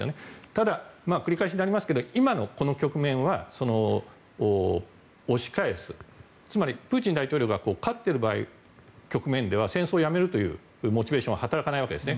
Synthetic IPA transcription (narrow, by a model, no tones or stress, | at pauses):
esɨjo̰net̪ad̪amaːkɯ̟ɾʲikaeɕiɲinaɾʲimasɨ̥ke̞d̪o̞imano̞ko̞no̞kʲo̞kɯ̟mẽ̞ɰ̃βaso̞no̞ː | ɕi̥kaesɨ | t͡sɨmaɾʲipɯ̟ːt͡ɕĩnd̪ait̪o̞ːɾʲo̞kɯɡako̞ːkat̪ːe̞ɾɯ̟baːḭ | kʲo̞kɯ̟mẽ̞nd̪e̞β̞asẽ̞ɰ̃so̞ːjame̞ɾɯ̟t̪o̞jɯ̟̰ː | ɯmo̞t͡ɕibe̞ːɕõβahat̪aɾakanaiβake̞d̪esɨne